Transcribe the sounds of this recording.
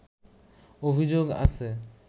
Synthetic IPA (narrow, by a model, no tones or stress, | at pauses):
obʱid͡ʑoɡa̰t͡ʃʰe